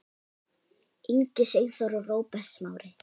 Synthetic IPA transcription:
iɲcɪseɣθɔɾɔroːwpɛ̥smawɾɪ

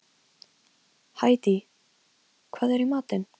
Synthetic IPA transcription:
haːjt̪i | kʰvaːðɛɾimaːt̪ɪn

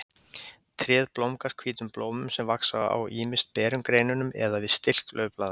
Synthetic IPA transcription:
t̪ʰɾjɛːðplowmkaskʰviːt̪ʏmploːwmʏmsɛmvaksaa̰wʔiːmɪst̪̚pɛːɾʏmkɾeːjnʏnʏmɛ̰ðavɪðst̪ɪl̥klʔœɥplaːða

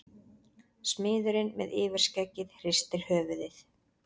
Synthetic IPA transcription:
smɪːðʏɾɪnmɛ̰ðɪːvɛɾ̥scɛcːɪðhr̥ɪst̪ɪɾ̥hœːvʏðɪθ

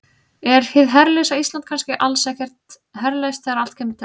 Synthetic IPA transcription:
ɛɾhɪðɦɛɾlesaist̪lant̪kʰanscɪʔalsɛːhcɛr̥t̪ | hɛɾlest̪θɛɣɾaal̥t̪cʰɛmɪnt̪ʰ

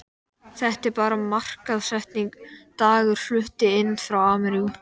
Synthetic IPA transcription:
θɛht̪ɛɾpaːɾamar̥kaðsɛht̪niŋkt̪aːɣʏɾ̥flʏht̪ɪɪnːfɾawaːmɛɾiɣʏ

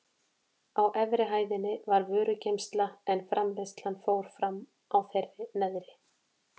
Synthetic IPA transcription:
awʔɛvɾɪɦaːjðɪnːɪvaɾvœːɾʏcejmst̪laɛnfɾamlest̪l̥anfoːwɾ̥fɾam | awθerːɪnɛðɾɪ

